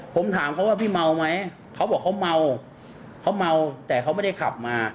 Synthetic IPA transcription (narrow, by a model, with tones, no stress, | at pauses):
pʰo˩˦mt̪ʰaː˩˦mkʰa˦˥waː˥˩pʰiː˥˩ma˧wma˦˥j | kʰa˦˥wbɔː˨˩kʰːa˦˥wma˧w | kʰa˦˥wma˧wt̪ɛː˨˩kʰa˦˥wma˥˩da˥˩jkʰla̰˨˩p̚maː˧